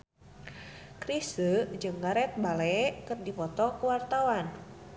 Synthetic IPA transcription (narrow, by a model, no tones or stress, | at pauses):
kɾisəd͡ʒɨŋɡaɾɛt̪̚balɛkɨrdipɔt̪ɔkuwart̪awan